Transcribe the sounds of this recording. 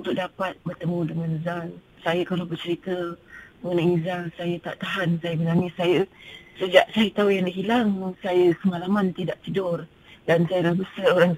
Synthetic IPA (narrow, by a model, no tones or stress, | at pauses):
unt̪ʊk̚dapat̪̚bərt̪əmũdəŋanzal | sajəkalabərt͡ʃəɾit̪əməənəizaŋsajət̪a̰ʔt̪aɦansajəbənanisajəsəd͡ʒaʔsajət̪aujaŋdəɦilaŋsajəkəmalamant̪idaʔt̪idʊr | dansajəlabəsəoɾaŋ